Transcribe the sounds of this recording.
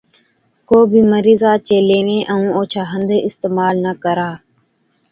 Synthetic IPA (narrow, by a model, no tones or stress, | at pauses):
koːbʱiːməɾiːzaːt͡ʃeːleːʋẽːʔəũːoːt͡ʃʰaːɦənd̪ʱeɪst̪eːmaːlnəkəɾaː